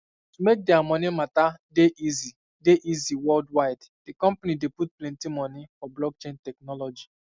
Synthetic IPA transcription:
tumek̚dɛamɔnimatadeʔizi | deʔiziwɔldwaɪd | d̥ikɔ̃mpanideput̚plɛ̃ntimɔnifɔblɔɡ̚t͡ʃẽntɛk̚nɔlɔd͡ʒi

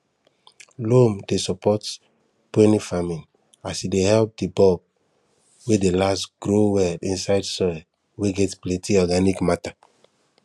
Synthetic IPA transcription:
lomdesɔpɔt | pẽnifamĩn | asidehɛlp̚dibɔb̚ | wedelasɡ̥ɹowɛldĩnsaɪdsɔ | weɡɛtplɛ̃ntiɔɡanikmata

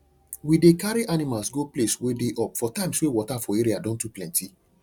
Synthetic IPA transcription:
widekaɾiʔanimalsɡopleswedeʔɔpfɔtãɪ̃mswewɔtafɔeɾiadɔ̃ntuplɛ̃nti

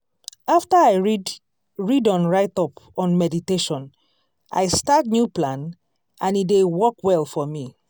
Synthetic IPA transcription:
aftəaɪɹi | ɹidɔ̃nɹaɪtɔpɔ̃nmɛditeʃɔ̃n | a̰ɪstat̚njuplãn | ãnidewɔkwɛlˠfɔmi

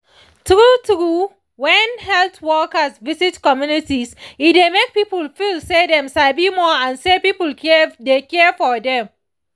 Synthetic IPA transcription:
tɹutɹu | wɛ̃nhɛltwɔkəsvizitkɔmjunitisidemek̚pipəlfilsedɛ̃msaɪbimɔãnsepipldekɛfɔdɛ̃m

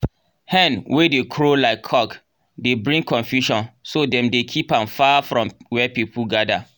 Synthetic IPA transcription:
hɛ̃nwedekʰɹolaɪkʰːɔk | debɹĩŋkʰɔ̃nfjuʃɔ̃nsodɛ̃mdekʰipãnfafɹɔ̃mwɛpipuɡada

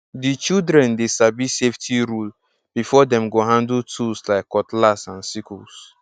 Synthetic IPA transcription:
dit͡ʃildɾɛ̃ndesabiseftʰiɾul | b̥ifɔdɛ̃mɡoɦãndutʰuslaɪkːɔtlasãnsikṵs

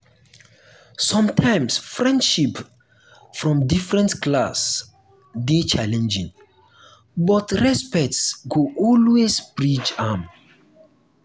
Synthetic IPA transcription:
sɔ̃mtʰãjmsfɹɛ̃ndʃip | fɹɔ̃mdifɹɛ̃ntklas | det͡ʃalɛ̃nd͡ʒĩŋ | bɔtɹɛspɛk̚tsɡoʔɔlwesbɹid͡ʒãm

